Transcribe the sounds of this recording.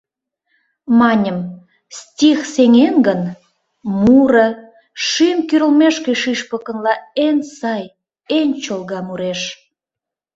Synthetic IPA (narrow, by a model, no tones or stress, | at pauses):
mɑnʲəm | stʲixseŋenɡən | muɾə̆ | ʃimkyɾə̆lmeʃkeʃiʃpə̆kə̆nlɑensɑj | enʲt͡ɕolɣɑmuɾeʃ